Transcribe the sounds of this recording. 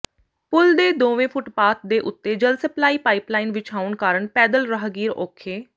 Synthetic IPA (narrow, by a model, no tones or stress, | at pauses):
pʊld̪eːd̪oːʋẽːpʰʊʈpaːt̪̚d̪eːʔʊt̪ːeːd͡ʒəlsəplaːiːpaːɪplaːɪinʋɪt͡ʃaːʊnkaːɾəɳpɛːd̪əlɾəɦɡiːɾoːkʰeː